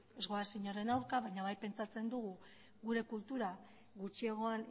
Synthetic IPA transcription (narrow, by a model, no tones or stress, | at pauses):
e̞zɣo̞asiɲo̞ɾe̞nawɾkaβajɲaβajpe̞nt͡sat͡se̞nd̪uɣu | ɣuɾe̞kult̪uɾa | ɣut͡ʃieɣ̞o̞an